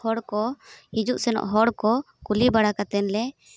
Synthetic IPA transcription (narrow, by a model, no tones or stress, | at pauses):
hɔɽkɔhid͡ʒuʔsɛnɔ̰ʔɦɔɽkɔ | kulibaɽakat̪ɛnlɛ